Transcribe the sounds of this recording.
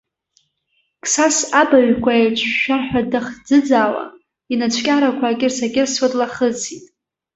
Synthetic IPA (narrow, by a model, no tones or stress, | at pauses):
kʰʼsasabaɥkʷʰaet͡ʃʷʼʰʃᶣaħᶣʷadaχd͡zɨd͡zaːwa̰ | inat͡ʃʷʰkʲʼaɾakʷʰaːkʲʼɪrsaɡʲɪrswatʼlaχəzitʼ